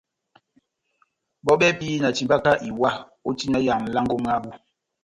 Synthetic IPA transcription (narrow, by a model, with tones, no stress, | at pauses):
ɓɔ˦ɓɛ˦pi˦na˨t͡ʃi˨mba˦ka˦ʔi˨wa˦˨ | o˦ti˦na˦ja˨m̩˨la˦ŋɡo˦m˦a˦bu˦